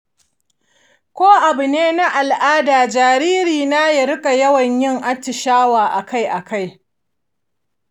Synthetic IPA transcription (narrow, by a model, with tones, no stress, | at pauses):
kʷoː˦ʔa˨bʊ˨neː˦na˦ʔa˨lʔaː˦daː˨d͡ʒaː˨ɾiː˦ɾiː˨na˦jɐ˨ɾɪ˦kʼa˨jɐ˦wɐ˨ɲjɪ˦ŋʔa˦t͡ʃːɪ˨ʃaː˦waː˨ʔa˨ka˦˨jʔa˨ka˦˨j